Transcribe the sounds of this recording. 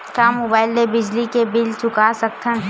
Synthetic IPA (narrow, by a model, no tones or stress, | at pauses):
kamoːbaːɪlːebɪd͡ʒlikebɪlt͡ʃʊkasɐk̚t̪ʰən